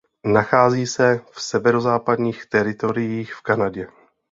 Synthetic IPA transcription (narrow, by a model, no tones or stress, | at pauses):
naxaːziːsɛfsɛvɛɾozaːpadɲiːxt̪ɛɾɪt̪o̞ɾɪjiːxfkanaɟɛ